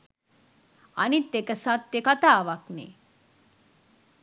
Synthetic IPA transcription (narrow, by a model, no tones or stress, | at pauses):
a̰nit̪ːekəsat̪ːjekat̪aːʋaknḛ